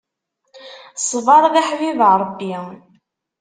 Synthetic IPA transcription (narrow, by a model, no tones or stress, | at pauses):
sˤvɑɾˤðæħwivʕɾˤəbːi